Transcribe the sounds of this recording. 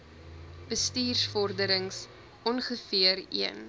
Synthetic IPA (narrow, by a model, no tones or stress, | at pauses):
b̥əstiːrsfɔrdəɾəŋs | ɔnχəfiəriən